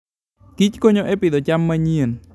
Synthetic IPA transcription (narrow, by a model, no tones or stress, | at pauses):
kit͡ɕkoɲoʔepiɗ̪ot͡ɕamːəɲiən